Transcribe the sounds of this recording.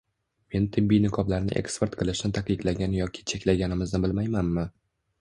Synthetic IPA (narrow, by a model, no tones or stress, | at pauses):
me̞nt̪ʰɪbːijnɪkʰɒblaɾnɪ̰ʔe̞̰kspe̞ɾt̪qʰɨlˠɪʃnɪt̪ʰakʲɪk̪laɡʲanjɒkʲʰɪ̥t͡ʃʰekʲlaɡʲanɪmɪznɪbɪlmajmanmɪ